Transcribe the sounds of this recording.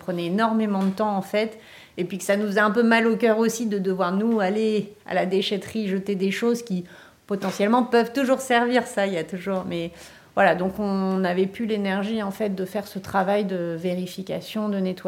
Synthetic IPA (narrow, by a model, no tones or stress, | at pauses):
pχənɛenɔʁmemɑ̃d̪ət̪ɑ̃ɑ̃fɛt̪ | epɥikə̥sanufəzɛɛ̃pømalokʲœʁosid̪əd̪əvwaʁnualea̰lad̪eʃɛt̪χiʒət̪ed̪eʃozkʲi | pɔt̪ɑ̃sjɛlmɑ̃pœvt̪uʒuʁsɛʁviʁsailjat̪uʒuːʁmɛ | vwalad̪ɔ̃kɔ̃navɛpylenɛʁʒiɑ̃fɛt̪̚d̪əfɛʁsət̪χavajd̪əveʁifikʲa̰sjɔ̃d̪ənet̪wa